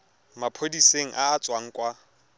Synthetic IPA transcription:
mapʰodiseŋ̩ʔaːt͡sʼwaŋ̩kʼwa

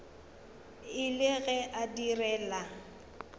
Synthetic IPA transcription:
ɪlɪɣɛʔadirɛːla

